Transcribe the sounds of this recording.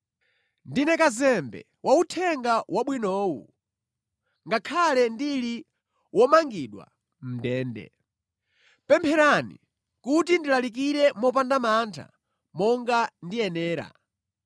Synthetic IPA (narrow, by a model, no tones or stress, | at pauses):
ndinɛkazɛmbɛ̰ | wʔautʰɛŋɡawʔaɓwinɔːwṵ | ŋɡakʰalɛndili | wʔɔmaŋɡiɗwa̰ | m̩dɛːndɛ̰ | pɛmpʰɛɾanḭ | kutindilalik̬iɾɛmɔp̬andamantʰa̰ | mɔŋɡandiɛnɛːɾa̰